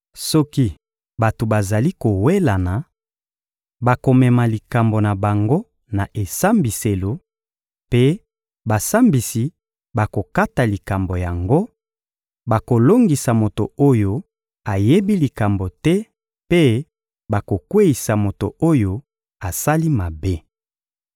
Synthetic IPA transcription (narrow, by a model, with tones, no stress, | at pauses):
sɔ˦ki˦ | ba˨to˨ba˨za˨li˦ko˨we˦la˨na˨ | ba˨ko˨mɛ˨ma˨li˨ka˨mbo˨na˨ba˨ŋɡo˦ | na˨ʔe˨sa˦mbi˨se˨lo˨ | pe˦ | ba˨sa˦mbi˨si˨ | ba˨ko˨ka˦ta˨li˨ka˨mbo˨ja˨ŋɡo˦ | ba˨ko˨lo˦ŋɡi˨sa˨mo˨to˨o˦jo˦ | a˨je˦bi˦li˨ka˨mbo˨tɛ˦ | pe˦ | ba˨ko˨kwe˦i˨sa˨mo˨to̰˨o˦jo˨ | a˨sa˦li˦ma˨be˦